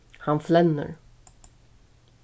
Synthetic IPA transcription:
hanflɛnːə̰ɾ

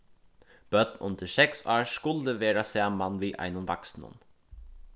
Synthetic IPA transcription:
b̥œd̪nʔʊ̰nd̪əʃɛksɑːɹskʊld̪əʋeːɾasæːmanʋiːʔa̰ɪnʊnʋa̰ksnə̰n

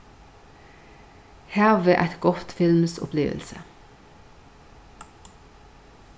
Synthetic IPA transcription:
hæːʁʋeːʔæt̪ɡɔt̪fɪlmsʊ̰pʰleːʋə̰lsə̰

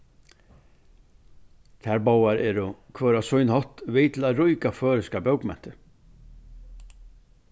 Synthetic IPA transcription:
t̪ʰaɾbawaɾʔɛɾʊkʰvœːɾasʊjnhɔht̪vɪːt̪ʰɪlaðɾʊjkafœːɾɪskabjœwkmɛn̥t̪ɪ

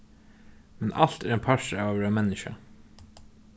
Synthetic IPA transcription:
mɛnʔɑlt̪æːɾeːnpʰɑʃəʋːʋɾɑːmɛnɪʃɑ̰

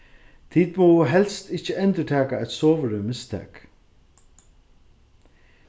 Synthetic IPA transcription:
t̪ʰiːt̪̚mɔwɦɛlst̪ɪht͡ʃɪɛnt̪ət̪ʰɛːkaɛt̪sɔːʋəɾʏmɪst̪ʰɛ̰ːk

